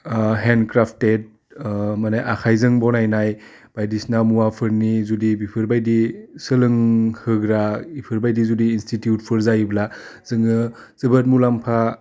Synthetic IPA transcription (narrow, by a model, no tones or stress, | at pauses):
ɦendkɾapʰtet̚ | manajʔakʰajzɯŋbɔnajnaj | b̥ajdisnamuwapʰɯɾnizudibipʰɯɾbajdisɯlɯŋhɯɡɾabipʰɯɾbajdizudiːnstitjut̚pʰɯɾzajblaz̥ɯŋɯ | z̥ɯbɯt̚mulampʰa